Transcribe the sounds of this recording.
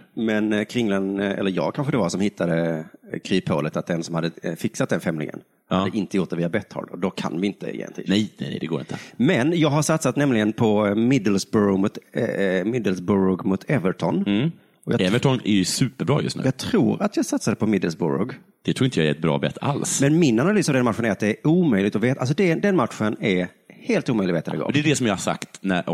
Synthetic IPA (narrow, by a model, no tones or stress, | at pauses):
mɛnkʰɾɪŋlɛnɛ̰lːəɾjɑ̰ːɡ̚kʰanɧəd̪ɛvaɾsɔmhɪt̪ʰːad̪əkʰɾiːpʰhoːlət̪at̪̚d̪ɛnsɔmhad̪ːəfɪksat̪̚d̪ɛnfɛmlɪ̰ŋə̰n | had̪ːəʔɪnt̪əjʊʈ̪̚d̪ɛviːabɛt̪ʰːhɑ̰ːlɖ̪ɔd̪ɔkʰa̰nvɪɪnt̪ə̰jḛːɛ̰nʰḭːnɛjnɛnɛ̰jd̪ɛɡoːɾɪ̰nt̪ʰəmɛnjɑːɡɦaʂat̪sat̪nɛmlɪɡənpʰɔmɪd̪əlsbʉɾʊmʊt̪mɪd̪əlsbʊɾʊɡmʊt̪ʰɛvəʈʰɔn | ɔjɑ̰ɛvəɔnæ̰ɾjsʉːpəɾbɾɑ̰ːjɵ̰st̪nʉ̰jɑːɡt̪ʰɾuːɾat̪ʰjɑːɡsat̪sad̪ɛpʰɔmɪd̪əlsbʊ̰ɾɔ̰ɡ | d̪̥ɛt̪ʰɾuːɾɪnt̪əjɑɛt̪bɾɑ̰ːbɛ̰t̪ʰːa̰lsmɛnmɪnanalyːsavdɛnmat̪ɧənæɾat̪̚d̪ɛæɾʔuːmœjlɪɡt̪ɔveːt̪als̬ɔd̪ɛd̪ɛnmat̪ɧənæɾ | heːlt̪uːmœjlɪɡveːt̪ad̪ɛ̰ɡo̰ːd̪ɛɖɛsɔmjahasa̰kt̪næɾ